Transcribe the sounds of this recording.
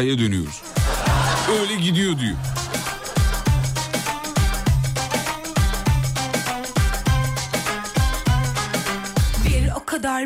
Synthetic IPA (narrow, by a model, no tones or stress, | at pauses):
jad̪ønyjoɾṵz̥ | øjlʲɛɟid̪ijod̪uju | vielokʰad̪aɾ